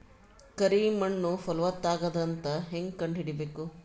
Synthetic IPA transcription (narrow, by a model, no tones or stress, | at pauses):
kɐɾimɐɳːufɔlʋɐt̪ːaːɡɐd̪ɐnt̪ɐɦeŋɡkɐɳɖiɽibeːku